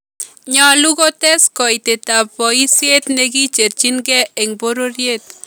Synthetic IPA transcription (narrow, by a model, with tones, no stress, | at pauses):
ɲa˨luɣotɛ˦skɔ˨jte˨ta˨pɔisje˦t̪neɡi˦t͡ʃe˨ɾt͡ʃinɡɛ˦e˨ŋboɾoɾjet̪̚